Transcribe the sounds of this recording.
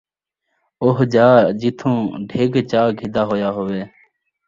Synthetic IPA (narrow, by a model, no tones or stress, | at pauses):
oːɦd͡ʒaːd͡ʒɪt̪ʰõːɖʱeːɡt͡ʃaːɡʱɪd̪aːɦoːjaːɦoːʋeː